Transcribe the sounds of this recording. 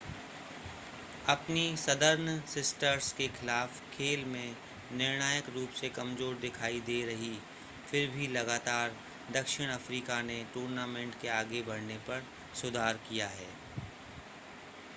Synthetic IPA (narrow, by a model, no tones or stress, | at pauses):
ɐpnisɐd̪əɾnsɪsʈəɾskexɪlaːfkʰeːlmẽ | nɪɾñaːjəkɾuːpsekɐmzoːɾd̪ɪkʰaːid̪eːɾɐɦi | fɪɾbʱilɐɡaːt̪aːɾ | d̪ɐkʃɪɽ̃ɐfɾiːkaneʈuːɾnaːmẽːɳʈkeaːɡebɐɽ̤nepɐɾ | sʊd̪ʱaːɾkijaɦɛː